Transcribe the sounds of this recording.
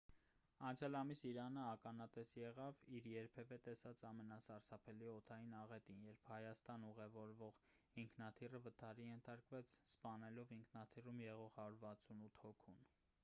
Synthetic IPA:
ɑnt͡sʰjɑlɑmisiɾɑnəɑkɑnɑt̪ɛsjɛʁɑviɾjɛɾpʰɛvɛt̪ɛsɑt͡sɑmɛnɑsɑɾsɑpʰɛliɔt̪ʰɑjinɑʁɛt̪injɛɾpʰhɑjɑst̪ɑnuʁɛvɔɾvɔʁ | iŋkʰnɑt̪ʰirəvət̪ʰɑɾijɛnt̪ʰɑɾkvɛt͡sʰspɑnɛlɔviŋkʰnɑt̪ʰirumjɛʁɔʁhɑɾuɾvɑt͡sʰunut̪ʰhɔkʰun

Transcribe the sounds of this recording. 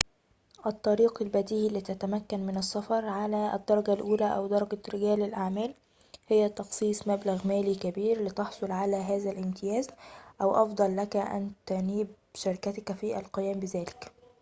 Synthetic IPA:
ʔɑt̪ˤːɑɾiːqɪlbæd̪iːʔlːit̪æt̪æmækːænmɪnɑsːɑfɑɾˤʕalæ̰d̪ːɑɾˤɑɡælʔuːlæʔæwd̪ɑɾˤɑɡæɾɪɡæːlɪlʔaʕmæːl | hɪjːæt̪ːɑxsˤiːsˤmæblaɣmæːlikæbiːɾlɪt̪ɑħsˤolʕalæɦæːzælʔɪmt̪ʰɪjæːzʔæwʔɑfd̪ˤɑlːækæʔæ̰nt̪æniːb̚ | ʃɑɾɪkæt̪kfiːʔæ̰lqɪjæːmbɪzæːlɪk

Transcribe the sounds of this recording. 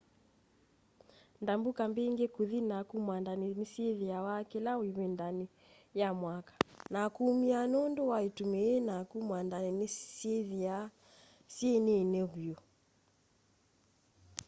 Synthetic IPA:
ndambukambɛiŋɡɛkuðinakumwandaninisiɛðiawakɛlawiβɛndani | jamwakḁnakumianɔndɔwaitumɛːnakumwandaninisiɛðia | siɛnenɛɣuɔ

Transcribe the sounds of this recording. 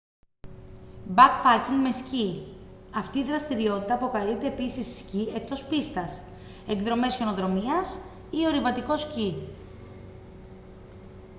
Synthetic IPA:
bɐkpɐciŋmesciɐft̪iːðɾɐst̪iɾio̞t̪it̪ɐːpo̞kɐlit̪e̞ːpisisːcie̞kt̪o̞spist̪ɐs | e̞ŋɡðɾo̞me̞sçe̞no̞ðɾo̞miɐs | io̞ɾivɐt̪iko̞sci

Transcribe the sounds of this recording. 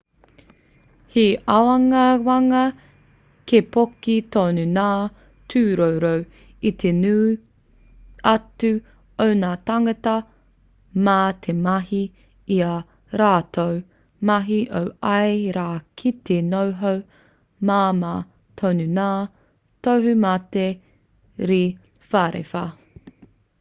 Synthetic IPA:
hiawɐŋɐwɐŋɐ | kepokitoːnunaː | tʰʉːɾowɾow | it̪ʰenuː | ɐtʉ | ownaːtɐŋɐtɐ | mat̪ʰemɐɦi | iɐ | ɾaːtʰow | mɐɦiʔowɐjɾaːkʰitenowɦow | mama | tʰownunaː | towɦʉmɐte | ɾi | faɾḛfɐ

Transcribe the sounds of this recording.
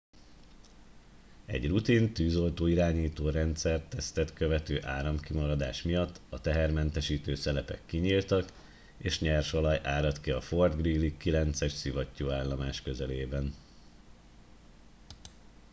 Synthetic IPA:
ɛ̰ɟrut̪int̪yːzo̞lt̪oːiɾaːɲiːt̪oːɾɛnt̪sɛrt̪ːɛst̪ɛt̪køvɛt̪øːʔaːɾɒmkimɒɾɒd̪aːʃmijɒt̪ːɒt̪ɛɦɛrmɛnt̪ɛʃiːt̪øːsɛlɛpɛ̰kːiɲiːlt̪ɒk | eːʃɲɛrʃolɒjʔaːɾɒt̪kiɒfo̞rd̪ɡriːlːikːilɛnt̪sɛʃsivɒcːoːaːlːɒmaːʃkø̞zɛleːbɛn

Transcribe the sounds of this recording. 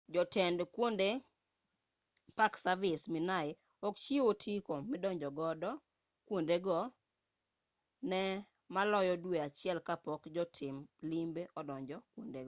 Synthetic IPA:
d͡ʒɔtɛndkwonde | paksavɪsmɪnaɪ | ɔkt͡ʃiotʰikomɪdɔɲd͡ʒɔɡɔdɔ | kwondeɡɔ | nɛ | malɔjɔdweat͡ʃɪɛlkapɔkd͡ʒɔtʰɪmlimbeʔɔdɔɲd͡ʒɔkwondeɡɔ

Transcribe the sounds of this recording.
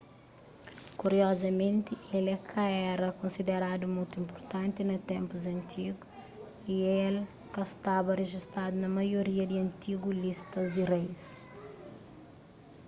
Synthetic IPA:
kuɾiɔzɐmẽnt̪ielɛkʰɐɛɾɐkõnsid̪eɾad̪umũjt̪uĩmpoɾt̪ɐ̃nt̪inɐt̪ɛ̃mpuzɐ̃nt̪ʰiɡu | iel | kɐst̪abɐreʒist̪ad̪unɐmɐjoɾiɐd̪iɐ̃nt̪iɡulist̪ɐzd̪irejs

